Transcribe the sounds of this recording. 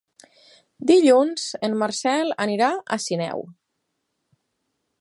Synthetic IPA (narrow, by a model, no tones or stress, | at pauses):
d̪iʎunzenmaɾsɛləniɾaə̰sinɛ̰w